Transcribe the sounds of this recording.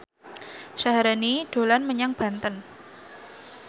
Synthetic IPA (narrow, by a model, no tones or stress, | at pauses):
saɦaɾaniɖ̥o̤lanməɲaŋb̥a̤nt̪ən